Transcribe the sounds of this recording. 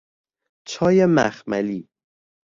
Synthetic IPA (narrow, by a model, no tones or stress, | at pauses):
t͡ʃʰɒːjemæ̰xmæli